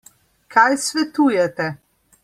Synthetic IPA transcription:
kʰajsʋɛt̪uːjɛt̪ɛ

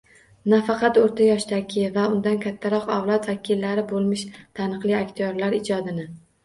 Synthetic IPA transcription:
nafɑqʰɑt̪oɾt̪ʰajɒʃd̪aɡʲɪvaʊnd̪ankʲʰat̪ʰːaɾɒqawlˠɒt̪vakʲʰilːaɾɪbolˠmɪʃt̪ʰanɨqlˠɪakʲt̪ʰijɒɾlaɾɪd͡ʒɒd̪ɪnɪ

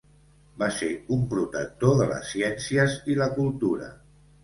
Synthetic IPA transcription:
baseɾumpɾut̪ək̚t̪oðələ̰sːiɛnsiəziləkulˠt̪uɾə̰

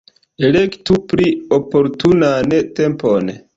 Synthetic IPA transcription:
elektupɾiopo̞ɾtunantempon

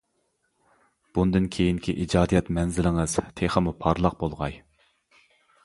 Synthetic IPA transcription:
b̥und̪ɨnkʲʰejiŋkʲʰiʔid͡ʒɑːd̪ijɛt̪mɛnzɪlɪŋɨz̥t̪ʰeχəmupʰɑɾlˠɑq̚bolˠʁɑj

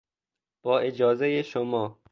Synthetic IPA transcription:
b̥ɒːʔed͡ʒɒːzejeʃomɒː

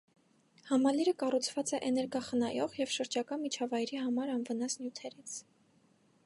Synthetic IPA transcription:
hɑmɑliɾəkɑrut͡sʰvɑt͡sɛʔɛnɛɾɡɑχənɑjɔʁjɛvʃəɾd͡ʒɑkɑmit͡ʃʰɑvɑjɾihɑmɑɾɑnvənɑsnjut̪ʰɛɾit͡sʰ

